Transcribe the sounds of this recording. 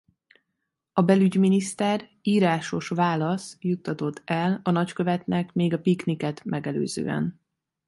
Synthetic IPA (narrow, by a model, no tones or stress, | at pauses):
ɒbɛlyɟminist̪ɛr | iːɾaːʃo̞ʃvaːlɒsjut̪ːɒt̪o̞t̪ʰːɛlɒnɒckø̞vɛt̪nɛkmeːɡɒpiknikɛt̪mɛɡɛlø̰ːzø̰ːɛ̰n